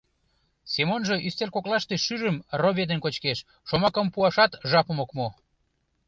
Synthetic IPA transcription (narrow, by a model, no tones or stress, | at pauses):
semonʒe̽ʔyst̪erkoklɑʃt̪eʃyʒəmroβʲed̪enkot͡ɕkeʃ | ʃomɑkəmpuɑʃɑt̪ʒɑpə̆mokmo